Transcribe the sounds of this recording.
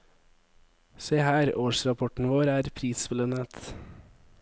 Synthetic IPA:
seːhæːɾoːʃɾɑpʰɔʈn̩ʋoːɾæːɾpʰɾiːspɪlənət̪

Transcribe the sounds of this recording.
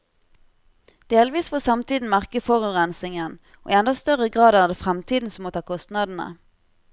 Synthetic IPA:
d̪̥eːlʋiːsfoːsɑmt̪ʰiːd̪n̩mæʁkəfɔʁʉʁɛnsɪŋən | o̰ːʔḭːɛnd̪ɑst̪œʁəɡʁɑːd̪æːʁd̪eːfʁɛmt̪ʰiːd̪n̩sɔmoːt̪ʰɑːkʰɔst̪nɑd̪n̩ə̰

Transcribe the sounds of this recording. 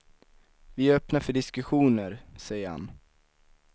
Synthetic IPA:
vɪœpnaɾfœɖɪskɵɧuːnəɾsɛjəɾha̰n

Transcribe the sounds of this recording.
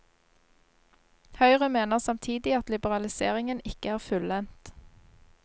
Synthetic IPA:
hœʏʁəmeːnəʁsɑmt̪ʰiːd̪ɪɑt̪lɪbəʁɑlɪseːʁɪŋənɪkəæːʁfʉlɛnt̪

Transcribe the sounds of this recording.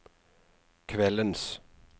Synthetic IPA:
kʰʋɛləns

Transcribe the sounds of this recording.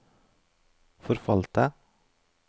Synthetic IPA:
fɔɾfɑlt̪ə

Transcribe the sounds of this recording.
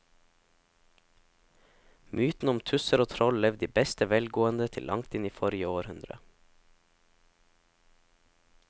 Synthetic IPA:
mʔʉːt̪n̩ʊmt̪ʰʉsəɾoːt̪ʰɾɔllɛʋd̪iːbɛst̪əʋɛlɡoːənd̪ət̪ʰɪ̰lʔɑ̰ŋt̪ɪniːfɔɾɪəoːɾhʉnd̪ɾə̰

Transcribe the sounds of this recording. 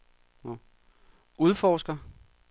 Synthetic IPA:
o | ʔuð̞ˠfɒːsɡ̥ɐ

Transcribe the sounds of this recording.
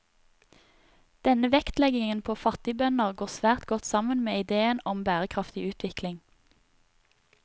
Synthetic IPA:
d̪̥ɛnəʋɛkt̪lɛɡɪŋənpʰoːfɑt̪ɪbœnəʁɡoːʁsʋæːʁt̪ɡɔt̪sɑmənmeːɪd̪eːənɔmbæːʁəkʰʁɑft̪ɪʉːt̪ʰʋɪklɪŋ

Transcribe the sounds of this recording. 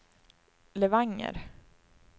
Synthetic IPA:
lɛvaŋːə̰ɾ

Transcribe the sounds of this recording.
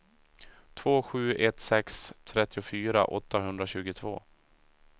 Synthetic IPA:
t̪ʰv̥oːɧʉ̟ːʔɛt̪sɛkst̪ʰɾɛt̪ːɪʊfyːɾa̰ʔɔ̰t̪ːaɦɵnd̪ɾaɕʉ̟ːɡʊt̪ʰvo̰ː

